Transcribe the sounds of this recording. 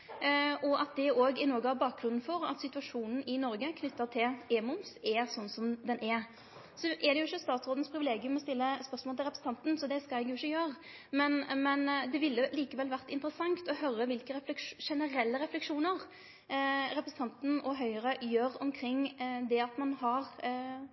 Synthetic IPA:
ʔɔʔɑt̪̚d̪ɛoːɡɪnɔːɡəhɑbɑːk̚ɡɾʉnːn̩fɔɾɑ̰t̪sɪt̪ʉɑʂuːnn̩ɪnɔɾɡəkʰnʏt̪ːət̪ʰɪleːmʊmsɛsɔnːsɔmd̪ɛnʔɛ | sɔʔɛd̪ɛjʊɪçːəst̪ɑːt̪sʁoːd̪nspʰɾɪʋɪleːɡɪʉmɔst̪ɪlːəspœɾsmɔlt̪ʰɪlɾɛpɾəsn̩ʰɑnt̪n̩sɔd̪ɛskɑlɛɡjʊɪçːəjøːɾə | mɛnmɛnd̪ɛʋɪlːəliːkəʋɛlʋæʁt̪ɪnt̪əɾəsɑŋt̪ɔhœɾəʋɪlkəɾɛflɛkʂʂɛnəɾɛlːəɾɛflɛkʂuːnəɾ | ɾɛpɾəsn̩t̪ɑnt̪n̩ɔɦœʏəɾəjøːɾɔmkʰɾɪŋːd̪ɛɑt̪mɑnhɑɾ

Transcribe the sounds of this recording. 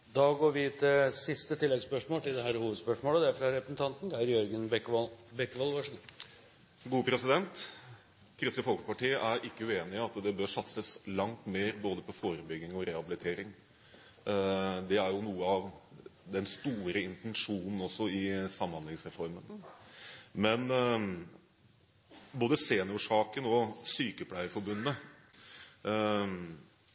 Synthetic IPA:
d̪ɑːɡoːɾʋɪt̪ʰɪsɪst̪ət̪ʰɪlːɛɡspœʂmoːlt̪ɪld̪ɛɦæːɾhuːʋəd̪spœʂmoːləd̪ɛæɾfɾɑɾɛpɾəsn̩t̪ɑnt̪n̩d̪æɾjœɾɡənbɛkːʋɑlbɛkːʋɑlʋɑʂ | ɡuːəpʰɾɛsɪd̪ɛnt̪ | kʰɾɪst̪əfɔlkə̥pɑʈiːəʔæɾɪkːəʉeːnɪɑt̪d̪ɛbøːɾʂɑt̪səslɑŋt̪meːɾboːd̪əpʰɔfoːɾəbʏɡːɪŋɔɾɛhɑbɪlɪt̪ʰeːɾɪŋ | d̪ɛæɾjʊnuːəɑʋd̪ɛnst̪uːɾəɪnt̪ɛnʂuːnn̩ɔsːɔɪsɑmːɑnlɪŋsɾɛfɔɾmən | mɛn | boːd̪əseːnəuːʂɑːkənɔsyːkəpʰlæɪəfɔɾbʉnːə

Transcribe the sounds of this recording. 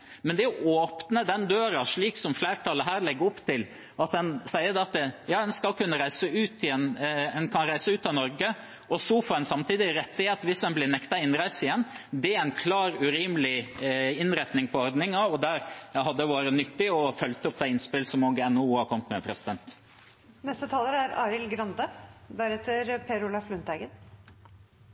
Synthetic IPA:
mɛnd̪ɛɔʔoːpnəd̪ɛnd̪øːɾɑʂɭiːksɔmflæːɾʈʰɑlːəɦæːɾɭɛɡːəɾɔpt̪ɪl | ɑt̪d̪ɛnsæɪəd̪ɛɑt̪əjɑːdɛnskɑlkʉnːəɾæɪsəʉːt̪ɪɛnɛnkʰɑnɾæɪsəʉːt̪ɑʋnɔɾɡə | ʔɔsɔfoːɾdɛnsɑmt̪iːd̪ɪɾɛt̪ːɪheːt̪ʋɪsɛnblɪnɛkt̪ɑɪnɾæɪsɪjɛnːd̪ɛæɾæɪnkʰlɑːɾʉɾiːmlɪɪnɾɛt̪nɪŋpʰɔɔɾd̪nɪŋɑɔd̪æɾæɦɑd̪ːəʋɑːɾənʏt̪ːɪɔfœlt̪əɔp̚ːd̪ɛɪnspɪlsɔmoɡɛnːuːhɑkʰɔmət̪mɛpʰɾɛsɪd̪ɛnt̪ | nɛst̪ət̪ʰɑːləɾæɾɑ̰ːɾɪlɡɾɑnd̪əd̪æɾɛt̪ːəɾpʰeːɾʊlɑflʉnt̪æɡən

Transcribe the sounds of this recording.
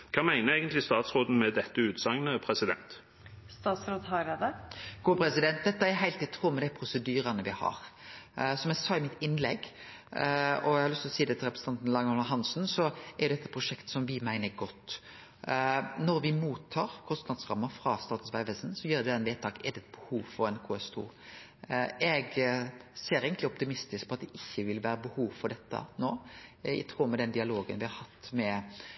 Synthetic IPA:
kʰɑːmæɪnəɾæɡənt̪lɪst̪ɑːt̪sɾoːd̪n̩mɛd̪ɛt̪ːəʉːt̪sɑŋnəpʰɾɛsɪd̪ɛ̰nt̪ | st̪ɑːt̪sɾoːd̪ɦɑɾeːd̪əɡ̥uːpʰɾɛsɪd̪ɛnt̪̚d̪ɛt̪ːəɛɦæɪlt̪ɪt̪ʰɾuːmːəd̪æɪpʰɾʊsəd̪yːɾɑnəʋɪhɑ̰ːɾ | sɔmɛsɑːɪmɪt̪ɪnːlɛɡ | ɔæhɑɾlʏst̪ɪlɔsiːd̪ɛt̪ʰɪlɾɛpɾəsn̩ɑnt̪n̩lɑŋɔlməɦɑnsn̩sɔʔɛɾʊd̪ɛt̪ːə̥pʰɾʊʂɛkt̪sɔmʋɪmæɪnəɾɡɔt̪ː | nɔɾʋɪmuːt̪ʰːɑːɾkʰɔst̪nɑd̪sʁɑmːəfɾɑst̪ɑːt̪sʋæɪʋəlsn̩sɔjiːɾɛd̪ɛnʋeːt̪ʰɑːkɛd̪ɛt̪̚bəhuːʋfɔɾɛnkʰuːɛst̪ʰṵː | ɛɡ | seːɾeɪɡənlɪɔp̚t̪ɪmɪst̪ɪsk̚pʰɔɑt̪̚d̪ɛʔɪçːəʋɪlʋæːɾəbəhuːʋfɔɾɖ̪ɛt̪ːə̰noːɪ̰t̪ʰʁuːmɛd̪ɛnd̪ɪɑloːɡənʋɪhɑɾhɑt̪ːmɛ

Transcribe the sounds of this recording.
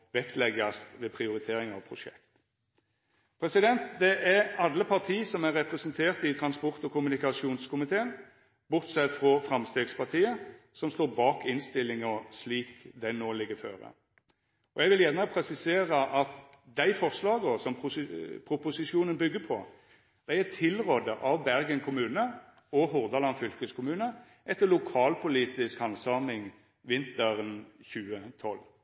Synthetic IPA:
ʋɛkt̪lɛɡɑst̪ʋeːpʰɾɪʊɾɪt̪ʰeːɾɪŋɑ̰ʋpʰɾʊʂɛ̰kt̪ | pʰɾɛsɪd̪ɛnt̪d̪ɛʔæɾɑlːəpʰɑʁt̪ʰiːsɔmæɾɛpɾɛsənt̪ʰeːʁt̪ɪt̪ʰɾɑnspɔɾt̪ɔkʊmʉnɪkɑʃuːnskʰʊmɪt̪ʰeːən | bʊʁt̪sɛt̪ːfɾɔfɾɑmst̪eːɡspɑʁt̪ʰiːəsɔmst̪oːɾbɑːkɪnst̪ɪlːɪŋɔsliːkd̪ɛnoːlɪɡːəfø̰ːɾə̰ | ɔjɛɪɡʋɪljæʁnəpʰɾɛsɪseːɾəʔɑt̪ | d̪æɪfɔʁslɑːɡɔsɔmpʰɾʊpʊsɪʃjuːnənbʏɡːəpʰɔ̰ | d̪̥æɛt̪ʰːɪlʁoːd̪əʔɑʋbæɾɡənkʰʊmʉːnə | ɔɦʊʁd̪ɑlɑnfʏlkəskʰʊmʉːnə | ʔɛt̪ːəlʊkʰɑːlpʰʊliːt̪ɪskɑnsɑːmɪŋ | ʋɪnt̪əʁənçʉːət̪ʰɔl

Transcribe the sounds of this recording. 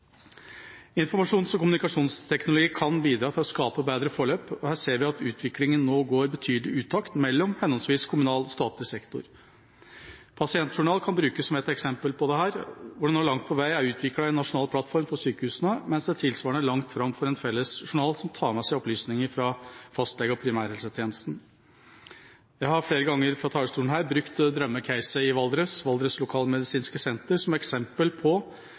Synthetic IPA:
ɪnfɔɾmɑʂuːnsɔkʊmʉnɪkɑʂuːnst̪ʰɛknʊlʊɡiːkʰɑnbiːd̪ɾɑːt̪ʰɪlɔskɑːpəbeːd̪ɾəfɔɭøːpɔhæːʂeːɾʋɪɑt̪ʉːt̪ʰʋɪklɪŋənːoːɡoːɾbət̪ʰyːd̪lɪʔʉːt̪ʰɑkt̪mɛlːɔmhɛnɔnsʋiːskʰʊmʉnɑːlst̪ɑːt̪ləsɛkt̪ʊ̰ɾ | pʰɑsɪɛnt̪ʂʊɳɑːlkʰɑnbɾʉːkəsːɔmɛt̪ɛksɛmpəlpʰɔd̪ɛhæːɾʋʊɖɛnoːɭlɑŋt̪̚pʰɔʋæɪæɾʉːt̪ʰʋɪklɑɛnːɑʂʊnɑːlpʰlɑt̪fɔɾmfɔʂyːkəhʉːsənəmɛnsd̪ɛæt̪ʰɪlsʋɑːɳəæɭɑŋt̪fɾɑmfɔɾɛnfɛlːəsʂʊɳɑːlsɔmt̪ʰɑːmɛsæɪɔplyːsnɪŋəɾfɾɑfɑst̪lɛɡəpʰɾɪmæːɾhɛlsət̪ʰjeːnəst̪n̩ | jæɪhɑɾfeːɾəɡɑŋːəɾfɾɑt̪ʰɑːɭəst̪uːən̩ɦæːɾbɾʉkt̪d̪ɾœmːəkʰæɪsəɪʋɑld̪ɾəsʋɑld̪ɾəslʊkʰɑːlmɛd̪ɪsiːnskəsɛnt̪əɾsɔmɛksɛmpəlpʰɔ

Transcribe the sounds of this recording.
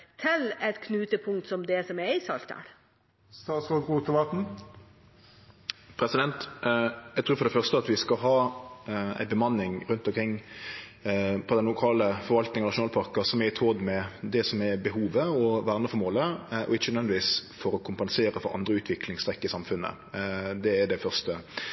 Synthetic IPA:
t̪ʰɪlɛt̪kʰnʉːt̪əpʰʊŋt̪sɔmd̪ɛsɔmɛɪsɑ̰lt̪ʰə̰ɾ | st̪ɑːt̪sʁoːd̪ʁuːt̪əʋɑt̪n̩ | pʰɾɛsɪd̪ɛnt̪jæɛɡt̪ʰɾʉːɾfɔɖɛfœʁst̪əɑt̪ʋɪskɑɦɑː | æ̰ɪbəmɑnːɪŋɾʉnt̪ɔmkʰɾɪŋː | pʰɔd̪ɛnlʊkʰɑːləfɔɾʋɑlt̪nɪŋənɑʂʊnɑːlpʰɑɾkɑsɔmɛɾɪt̪ʰoːd̪mɛd̪ɛsɔmɛbəɦuːʋəɔʋæːʁnəfɔɾmoːləʔɔ̰ɪçːənd̪ʋɛnd̪ɪʋiːsfɔɾɔkʰʊmpɛnseːɾəfɔɾɑ̰nd̪ɾəʉːt̪ʰʋɪklɪŋst̪ɾɛkːəɪsɑmfʉnːə̰ | d̪ɛːɖ̪ɛfœʁst̪ə

